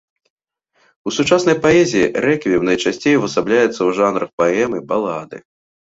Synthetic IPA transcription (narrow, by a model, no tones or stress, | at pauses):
usut͡ʂasnɐjpaɛzʲijiɾɛkʲvʲiwnɐjt͡ʂasʲt͡sʲejvɐsablʲajɛt̪sːɐwʐanɾɐxpaɛmɨbalˠad̪ɨ̰